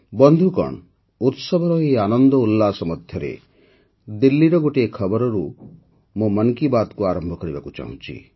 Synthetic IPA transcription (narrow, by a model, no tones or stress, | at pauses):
bɔnd̪ʱukɔ̰ɳ | ut̪sɔbʱɔɾɔeanɔnd̪ɔulːasɔmɔt̪ʰjɔɾḛ | d̪ilːiɾɔɡoʈekʰɔbɔɾɔɾu | momɔnkibat̪kuaɾɔmbʱɔkɔɾibakut͡ʃa̰ɦṵ̃t͡ʃʰḭ